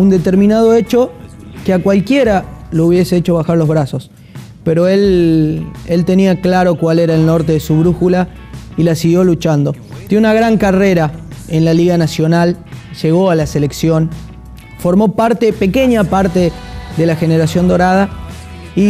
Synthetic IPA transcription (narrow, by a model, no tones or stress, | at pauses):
und̪e̞t̪e̞ɾmĩnað̞o̞e̞t͡ʃo̞ | keakwalkje̞ɾalouβje̞seet͡ʃo̞βaxaɾlo̞zβɾaso̞s | pe̞ɾo̞e̞l | elt̪e̞niaklaɾo̞kwaleɾaelno̞ɾt̪e̞ðesuβɾuxula | ilasiɣjo̞lut͡ʃand̪o̞ | t̪eunaɣɾaŋkare̞ɾaenlaliɣanasjo̞nalʒ̥e̞ɣo̞alase̞le̞ksjo̞n | fo̞ɾmo̞paɾt̪epe̞ke̞ɲapaɾt̪e̞ðe̞laxeneɾasjo̞nd̪o̞ɾað̞a | i